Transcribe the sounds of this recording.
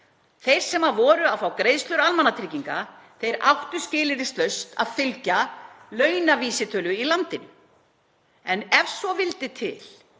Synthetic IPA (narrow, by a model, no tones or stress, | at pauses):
θejɾ̥sɛmavɔːɾʏafawkɾejðst̪lʏɾalmanːat̪ʰɾiːciŋka | θejɾa̰wht̪ʏ̥scɪːlɪɾɪst̪lœɥst̪a̰ðfɪlcalœːɥnaviːsɪt̪ʰœːlʏilant̪ɪnʏ̰ | ɛnɛvsɔvɪlt̪ɪt̪ʰɪ̰l̥